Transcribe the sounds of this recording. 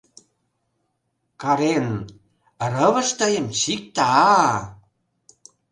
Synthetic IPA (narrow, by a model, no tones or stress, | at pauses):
kɑɾen | rəβə̆ʃt̪əjəmɕik̚t̪ɑɑ